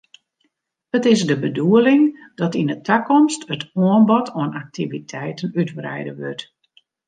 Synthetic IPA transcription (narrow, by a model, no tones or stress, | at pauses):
hətɪsdəbəduəlɪŋd̥ɔtindətʰakɔmstətʰɔənbɔtoənʔak̚tivitʰɛjtənytbrɛ̰jdəʋø̰t